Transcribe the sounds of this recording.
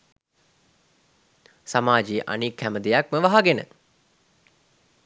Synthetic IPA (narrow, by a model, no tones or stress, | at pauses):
samaːd͡ʒejəʔa̰nikhæməd̪ejakməʋaɦaɡenə̰